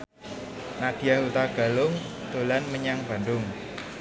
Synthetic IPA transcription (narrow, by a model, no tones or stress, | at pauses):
nad̪̥ijaɦut̪aɡ̥a̤lʊŋ | t̪olanməɲaŋb̥a̤ndʊŋ